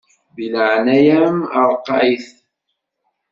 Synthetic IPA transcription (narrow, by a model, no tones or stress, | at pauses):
bilʕnæjæməɾˤqːɑʕjθ